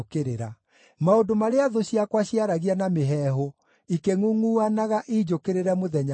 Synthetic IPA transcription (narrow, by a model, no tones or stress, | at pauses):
keɾeɾa | maondomaɾeaðoɕiakwaɕiaɾaɣianameɦɛːɦo | ikeŋuŋuanaɣaʔiːd͡ʑokeɾeɾɛmoðɛɲa